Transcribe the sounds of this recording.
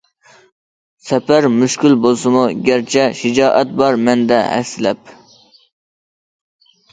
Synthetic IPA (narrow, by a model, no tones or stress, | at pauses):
sɛpæɾmyʃkʲylbolˠsɨmuɡʲæɾt͡ʃʰɛʃid͡ʒɑːʔɛt̪̚bɑɾmɛnd̪ɛhæ̰fsɪlɛp̚